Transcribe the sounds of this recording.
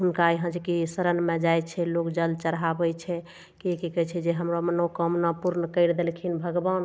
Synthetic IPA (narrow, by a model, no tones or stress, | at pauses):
ɦunkaiɦə̃d͡ʒkisəɾənmẽd͡ʒajt͡ʃʰɛlokd͡ʒəlt͡ʃəɾɦabəjt͡ʃʰɛ | kikikət͡ʃʰɛd͡ʒeɦəmɾomənəkəmnəpuɾnəkəɪɾd̪elkʰinbʱəɡban